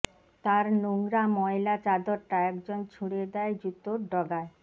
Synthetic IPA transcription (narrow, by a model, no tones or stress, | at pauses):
t̪aɾnoŋɾamɔelat͡ɕad̪oɾʈaɛkd͡ʑont͡ɕʰuɽed̪ɛed͡ʑut̪ːoɾɖɔɡae